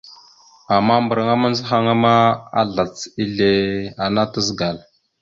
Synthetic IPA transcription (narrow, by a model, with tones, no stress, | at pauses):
a˨mːa˦mbɾa˨ŋa˦ma˦n˦zxa˦ŋa˦ma˦a̰˦ɮa˨t͡si˦ɮe˨a˨na˦ta˦zɡa˨l